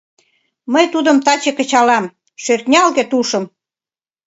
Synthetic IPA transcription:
məjt̪ud̪ə̆mt̪ɑt͡ɕĕkə̆t͡ɕɑlɑm | ʃørt̪nʲɑlɣĕt̪uʃə̆m

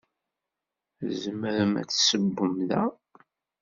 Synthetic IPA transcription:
zəməɾəmæ̰t͡sːsəbːəmðæ

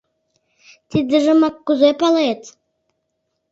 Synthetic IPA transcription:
t̪id̪ə̆ʒə̆mɑkːuzepɑlet̪

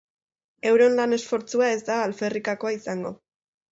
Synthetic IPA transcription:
e̞wɾeonlane̞sfo̞ɾt͡suae̞zd̪aːlfe̞rikako̞aisaŋɡo̞

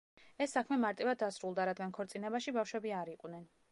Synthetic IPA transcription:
ɛsːakʰmɛmaɾt̪ʼivad̪ːasɾulˠd̪aɾad̪ɡankʰɔɾt̪sʼinɛbaʃibafʃwɛbiaɾiqʼnɛn

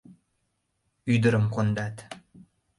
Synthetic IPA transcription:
yd̪ə̆ɾəmqond̪ɑt̪

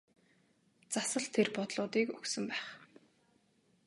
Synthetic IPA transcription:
t͡sasə̆ɮt̪ʰerpɔt̪ɮʊːt̪iːkɵksɵ̆mpæːχ

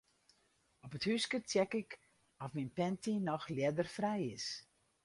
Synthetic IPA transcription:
ɔpəthyskətjɛkɪk | ɔfminpɛntinɔxljɛdərfrɛjɪs

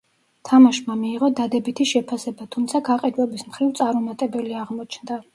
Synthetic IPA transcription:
t̪ʰamaʃmamiːʁɔd̪ad̪ɛbit̪ʰiʃɛpʰasɛbat̪ʰumt̪sʰaɡaqʼɛd̪vɛbismχɾivt̪sʼaɾɔmat̪ʼɛbɛliaʁmɔt͡ʃʰnd̪a

